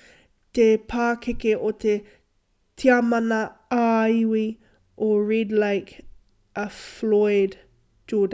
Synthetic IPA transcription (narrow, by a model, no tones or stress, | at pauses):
t̪epʰaːkʰekeʔotʰe | tʰiamanɐaiwi | ʔoɹidlaɪk | ʔəflɔɪd | d͡ʒ̥oːd